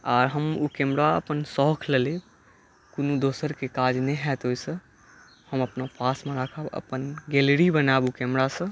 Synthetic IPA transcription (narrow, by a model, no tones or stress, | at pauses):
aɾɦəmukɛmɾaə̰pənsɔɦkʰlele | konud̪osəɾkekad͡ʒnɛɦɛt̪ɦojsə̃ | həməpnapasmẽɾakʰəbə̰pənɡɛlɾibənabukɛmɾasə̃